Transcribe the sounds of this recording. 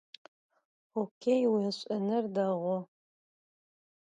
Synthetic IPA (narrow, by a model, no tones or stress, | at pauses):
okʲʰejwiɐɕʷʼɐnɨrdɐʁʷɔ